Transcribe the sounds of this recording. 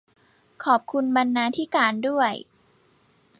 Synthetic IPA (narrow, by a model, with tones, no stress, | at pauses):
kʰɔː˨˩p̚kʰu˧nba˧nːaː˧t̪ʰiː˦˥˩kaː˧ndu˥˩əj